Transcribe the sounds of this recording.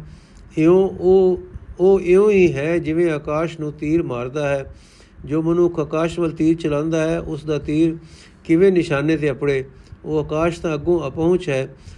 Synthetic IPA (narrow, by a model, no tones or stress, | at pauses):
ɪõːoːoːʔeõːiːɦɛːd͡ʒɪʋẽːaːkaːʃnũːt̪iːɾmaːɾd̪aːɦɛː | d͡ʒoːmənʊkʰəkaːʃʋəlt̪iːɾt͡ʃəlãːnd̪aːɦɛːʔʊsd̪aːt̪iːɾ | kɪʋẽːnɪʃaːneːt̪̬eːəpɽeːoːəkaːʃt̪ãːəɡõːəpəʊ̃t͡ʃɦɛː